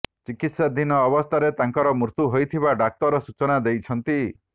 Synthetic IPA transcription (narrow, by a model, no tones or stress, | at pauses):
t͡ʃikit̪sad̪inɔːbɔst̪ʰaɾet̪aŋkɔɾɔmuɾt̪uɦojt̪ʰiβaɖak̚t̪ɔɾɔsut͡ʃɔnad̪ejt͡ʃʰɔnt̪i